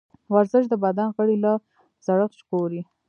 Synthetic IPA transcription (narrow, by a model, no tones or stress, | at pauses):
waɾzɪʃ̬d̪əbad̪anɣəɽilɑ | z̥aɽəxʃkoɾi